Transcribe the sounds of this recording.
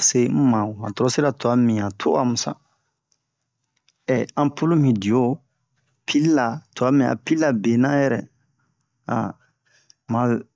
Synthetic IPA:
se˦m̩˦mã˨o˨ã̰˨tɔ˨ɾɔ˦si˦ɾa˨tu˨a˦mĩ˨ã˨tʰo̰˦a˨mũ˨sa̰˦ | ɛ˨ã˦pu˦lu˦mĩ˨di˨o˦˨ | pʰi˦lla˨tu˨a˦mĩ˨a̰˨pi˦lːa˨be˨nã˦jɛ˨ɾɛ̰˨ | a̰˨ | mã˨

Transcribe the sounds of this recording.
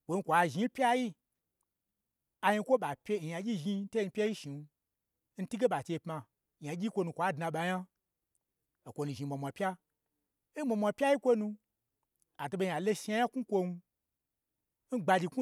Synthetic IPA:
kʷo˨n̩˦kʷa˨˧ʒi˧˦pʲja˦ji˦ | a˧ji˧˦kʷo˦ɓa˨pʲe˧˦˨ja˧d͡ʒʲi˦ʒi˧˦te˦˧n̩˧pʲe˦ji˦ʃi˨˧ | n̩˦ti˦ɡe˦ɓa˨t͡ʃe˧˨pma˧ | ɲ˨a˨d͡ʒʲi˦kʷo˧nũ˧kʷa˨˦dnã˧ɓa˧ɲa˦ | o˨kʷo˧nũ˧˨ʒi˧m˨a˨mʷa˨pʲa˦ | i˦ma˧mʷa˧pʲa˦ji˦kʷo˦nũ˧ | a˨to˧ɓe˧ɲ˨a˨lo˦ʃi˧a˧˦ja˦ku˦kʷo˧nu˧ | n̩˦ɡ͡ba˧d͡ʒi˧ku˦

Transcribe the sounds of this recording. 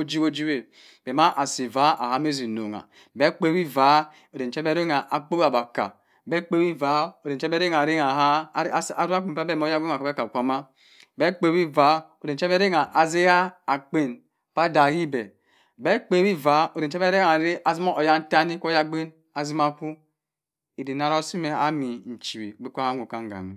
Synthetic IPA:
o˦d͡ʒi˦o˦d͡ʒi˦we˨ | b̥e˨ma˦ʔa˨si˨va˨˦a̰˨ha˦me˦zi˨no̰˨ŋa̰˨ | bɛ˦k͡pe˦wi˦va˨˦ | o˨de˨n˨t͡ʃɛ˦be˦ɾe˦ŋa˨ʔa˨k͡po˦a˨ba˨ka̰˨ | bɛ˦k͡pe˦wi˦va˨˦o˨de˨n˨ɛ˦bɛ˦ɾe˦ŋa˨ɾe˦ŋa˨ɦa˦a˨ɾa˦k͡pi˨m˨pa˦bɛ˦˨m˦o˦ja˦ɡe˦˨a˨˦ɛ˦ka˨kʷa˨ma˦ | bɛ˦k͡pe˦˨wi˦va˨˦o˨de˨n̩˨t͡ʃɛ˦e˦ɾe˦ŋa˨ʔa˨ze˦a˦a˨k͡pe˦˨n | pa˦da˨ji˦bɛ˨ | bɛ˦k͡pe˦bi˦va˨˦o˨de˨n̩˨˦ɛ˦be˦ɾe˦ŋa˨ɾi˦ʔa˨zi˦mo˦o˨ja˦n̩˦ta˦ni˦ko˦ja˦ɡ͡be˦n | a˨zi˦ma˦ku˦ | i˨di˨na˨˦ɾo˦si˦me˨a̰˦mi˨n̩˨t͡ʃi˨bḭ˨be˦kʷa˦a˦ŋʷu˨ka˦ŋ˦ɡa̰˨nḭ˨

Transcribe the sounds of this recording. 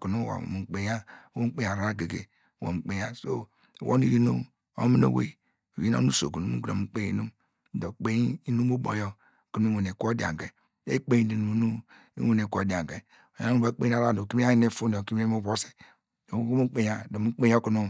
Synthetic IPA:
ku˨nu˦˨wa̰˨mu˨k͡pe˨ja˦wo˦m̩˦k͡pe˦ja˨ɾa˨a˦ɡe˨ɡḛ˨ | wo̰˨k͡pe˨ja˦so̰˦˨ | wʔo̰˦ni˦ɾi˦nu˦m | o̰˦mi˦no̰˦wḛ˦˨ | ji˦o̰˦nu˦so̰˨ɡu˨nu˦mṵ˦u˨o˨u˨˦k͡pe˦ḭ˦nu˦m˦ | do˨k͡pe˦i˦i˦nu˦mo˦bo̰˨jo˦ | ku˨nu˦we˨ne˨kʷo˦di˨a̰˨ŋɡe˨ | ḛ˦k͡pe˦ji˦di˨nu˨˦nu˦ | ḭ˦we˦˨ne˨ko˦˨di˨a˨ɡe˨ | o˨ja˦nu˦ba˦k͡pe˦a˦ɾa˦˨do˨ki˦mi˦a˦ji˦ne˦˨fu˦n˨o˨ki˦m˦e˦mo˦bo˦si̥˨ | o˨˦mu˦k͡pe˨ja˦do˨mu˦k͡pe˦jo˦ku˨nu˦

